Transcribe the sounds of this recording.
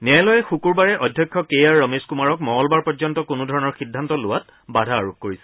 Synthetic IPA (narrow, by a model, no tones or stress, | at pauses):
nɛlɔjɛxukuɹbaɹɛʔɔdʱjɔkʰːjɔkejaɹːɔmeskumaɹɔk̚mɔɦɔlbaɹpɔzɔntɔkʊnudʱɔɹɔnɔɹxidʱːantɔlʊwat | badʱaːɹuk̚ʰkoɹisɛ̥